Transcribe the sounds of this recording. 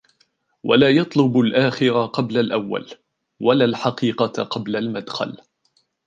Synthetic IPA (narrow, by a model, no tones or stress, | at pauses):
walaːjɑt̪ˤlʊbalʔaːxɪɾaqɑblalʔawːa̰l | walaːlħɑqiːqɑqɑblalmad̪xa̰l